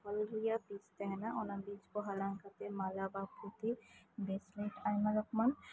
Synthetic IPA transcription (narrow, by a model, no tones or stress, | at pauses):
ɔlɾujapist̪ɛɦɛnaʔonabid͡ʒboɦalaŋkat̪emalabaput̪ʰibeslejʈajmalɔkman